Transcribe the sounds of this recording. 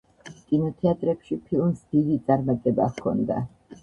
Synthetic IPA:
kʼinɔt̪ʰɛat̪ʼɾɛpʃipʰilˠmsd̪̥id̪it̪sʼaɾmat̪ʼɛbakʰɔ̰nd̪a̰

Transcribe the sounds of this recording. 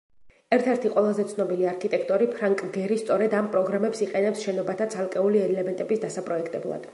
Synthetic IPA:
ɛɾt̪ʰɛɾt̪ʰiqʼwɛlˠazɛt̪sʰnɔbiliaɾkʰit̪ʼɛkʰt̪ʼɔɾipʰɾaŋkʼɡɛɾist̪sʼɔɾɛd̪ampʼɾɔɡɾamɛpsiqʼɛnɛpsʃɛnɔbat̪ʰat̪sʰalˠkʼɛuliɛlɛmɛnt̪ʼɛbisd̪asapʼɾɔɛkʰt̪ʼɛblˠa̰d̪̥

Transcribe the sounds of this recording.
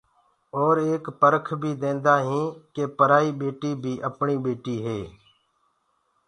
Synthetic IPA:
ɔːɾeːkpəɾəkʰbʱiːd̪ẽːnd̪aːɦĩːkeːpəɾaːiːɓeːʈiːbʱiːʔəpɳiːɓeːʈiːɦeː

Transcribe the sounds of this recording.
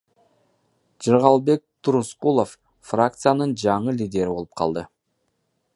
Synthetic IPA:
d͡ʒɨɾʁɑlˠbe̞k̚t̪ʰuɾusqulˠo̞f | frakt̪sɨjanɯnd͡ʒɑɴɯlʲid̪ʲe̞ɾibo̞lˠɯp̚qʰɑ̰lˠd̪ɯ

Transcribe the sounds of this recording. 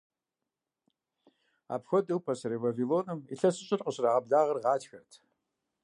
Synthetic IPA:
a̰ːpxʷɔdɨwpʰɐsɐɾeːvaviloːnɨmḭɬɐsɨɕʼɪrqʼəɕraːʁɐbɮaːʁɐrʁɑːt͡ʃxɐrtʰ

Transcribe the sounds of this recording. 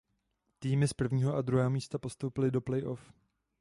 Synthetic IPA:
t̪iːmɪspr̩vɲiːɦo̞ʔad̪ɾuɦɛːɦo̞miːst̪apo̞st̪o̞wpɪlɪdo̞plɛjʔo̞f

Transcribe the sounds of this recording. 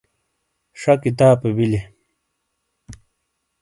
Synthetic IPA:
ʂɐkit̪aːpebili

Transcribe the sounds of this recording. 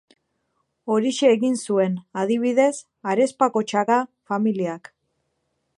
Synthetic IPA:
o̞ɾiʃeːɣinsue̞naðiβ̞iðe̞s | aɾe̞spako̞t͡ʃakafamiliak

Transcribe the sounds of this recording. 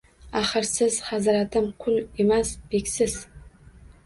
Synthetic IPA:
aχarsɨzχazɨɾatʰɨmkʷʰʊlimasb̥ikʲsɨs

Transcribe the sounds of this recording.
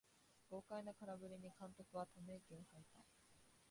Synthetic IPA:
b̥o̞ːkainakaɾabɯ̟ɾʲiɲ̟ikãnt̪o̞kɯ̟βat̪oneɡʲẽɰõhait̪ai

